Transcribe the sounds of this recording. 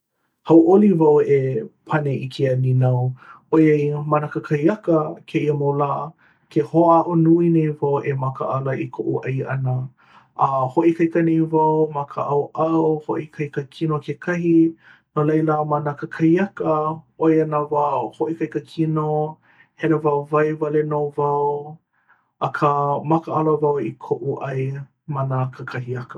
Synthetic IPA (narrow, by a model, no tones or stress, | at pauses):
hɐwʔolivɐwepʰɐneʔikʰeɐninɐw | ojɐimanɐkəkʰɐjɐkəkʰeiəmolaː | kʰehoaʔonuinejvɐwʔemɐkə̰ʔɐlɐʔikʰoʔuʔɐjɐ̰nə | ʔːhoʔikɐjkənejvɐwmɐkʰə̰ʔɐwʔɐwho̰ʔikʰɐjkəkʰinokekʰɐɦi | nolɐjlamɐnəkəkʰɐhiɐkəʔojɐnavahoʔikɐjkəkʰino | hɛnəvɐwvɐjvɐlenowvɐw | ʔɐkʰəmɐkəʔɐləvɐwikʰoʔuʔɐj | mɐnəkʰəkʰɐɦiɐkə